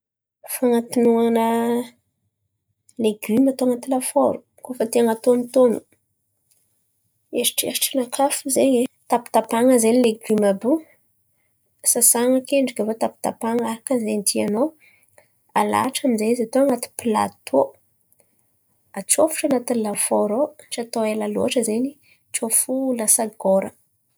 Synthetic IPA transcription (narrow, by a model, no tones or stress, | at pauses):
faŋat̪inuanə | leɡymat̪oaŋat̪ilafoɾu̥ | kofət̪eŋat̪onit̪onu | eɾi̥ʈ͡ʂeɾiʈ͡ʂinakʰafuzeɲet̪api̥t̪apaŋəzenleɡymabu | sasaŋəkeɳɖ͡ʐikʲavot̪api̥t̪apaŋaɾakəzend̪iano | ala̰ʈ͡ʂamizezat̪oaŋat̪i̥pila̰t̪ʰo | at͡sofu̥ʈ͡ʂanat̪inilafoɾoʈ͡ʂat̪oelalo̰aʈ͡ʂəzeni | t͡ʃofulasaɡoɾə